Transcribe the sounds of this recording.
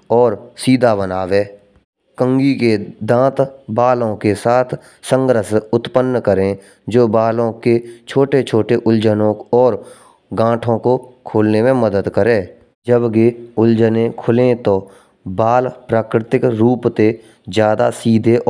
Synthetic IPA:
ɔːɾsiːd̪ʱabənaːʋeː | kə̃ŋɡiked̪ãːt̪baːlõkesaːt̪ʰ | sə̃ŋɡɾəsʊt̪pənːkəɾẽ | d͡ʒoːbaːlõket͡ʃʰoːʈet͡ʃʰoːʈeʔʊld͡ʒənõɔːɾ | ɡãːʈʰõkokʰoːlnemẽməd̪əd̪kəɾẽː | d͡ʒəbkeʊld͡ʒənẽkʰʊlẽt̪o | baːlpɾaːkɾɪt̪ɪkɾuːpt̪e | zjaːd̪a̰siːd̪ʱeʔ

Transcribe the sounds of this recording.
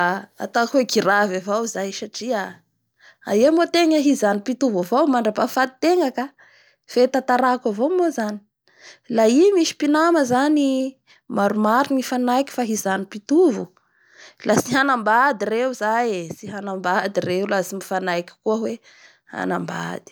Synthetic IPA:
a̰t̪akweɡiɾavavawzajʃaʈ͡ʂia | a̰emot̪eŋəɦizanipit̪uvavowmaɳɖ͡ʐapafat̪it̪eŋəka | fet̪at̪aɾakavomozani̥ | laimiʃi̥pinaməzani | maɾumaɾinifanajki̥faɦizanipit̪uvu | lasiɦanambad̪irewzajsiɦanambad̪ireulasimifanajkʲi̥kuəɦwe | ha̰na̰mba̰d̪̥i̥

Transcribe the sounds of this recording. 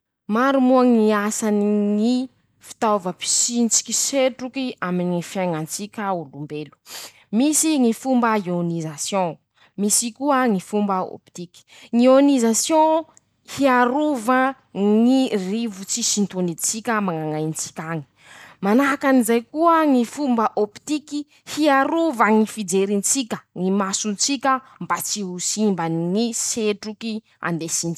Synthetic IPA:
maɾumuaŋniasaniŋi | fi̥t̪avəpi̥sint͡si̥kʲiseʈ͡ʂukiaminifjajŋant͡sikʲəulumbelu̥ | misiŋifumbəionizasjɔ̃ | misikuəŋifumbəo̰pi̥t̪iki̥ŋionizasjõ | hiaɾuvə | ŋirivut͡sisint̪onid̪it͡sikʲəmaŋaŋajnt͡si̥kʲaŋi̥ | manaɦakanizajkuəŋifumbəʔopi̥t̪iki | hiaɾuvaŋifid͡zeɾint͡sikʲə̥ŋimasunt͡sikʲə | mbat͡siɦusimbaniŋiseʈ͡ʂuki | a̰nd̪esin

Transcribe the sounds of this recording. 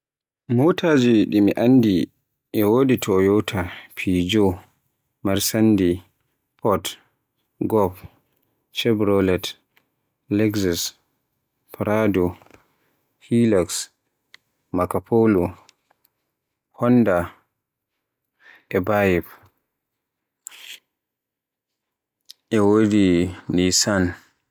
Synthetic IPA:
mowtʰaːd͡ʒiɗimiʔanːdi | ʔɛwoːditʰɔjɔwtʰapʰid͡ʒo | maɾsandi | pʰɔt | ɡɔp | t͡ʃɛbɾɔlɛt | lɛɡsas | pɾadɔ | hilaks | makapolu | hɔnda | ʔɛbajɛp | ʔɛwodinisan

